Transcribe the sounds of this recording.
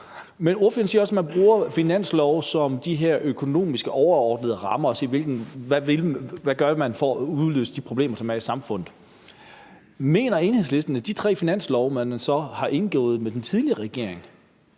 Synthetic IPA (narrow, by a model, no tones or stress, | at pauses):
meno̝ɐføɐnsiːɐɒ̽smænb̥ʁuːɐfinæn̰slɒʊsɒ̽md̥iɦeɐ̰ʔøkʰo̝no̝̰ːmisɡ̥əʔɒʊɐɒːd̥nəðˠəʁɑ̈mɐɒ̽se̝̰ːʋe̝lɡ̥n̩ʋæʋelʋæɡ̥ɶɐmænfɒuðˠlø̰ːsə̥d̥ipʰʁo̝b̥le̝ːmɐsʰæmæsɑ̈mfɔ̽n̰ð̩ˠ | me̝̰ːnɐe̝nhe̝sle̝sd̥ɐnəd̥it͡sʰʁɛ̰ːfinæn̰slɒʊmænnsɒ̽hɑ̈ʔe̝nɡ̥ɔ̰ːð̩ˠmed̥ent͡sʰiðˠliɐʁɛɡ̥e̝̰ɐ̰e̝ŋ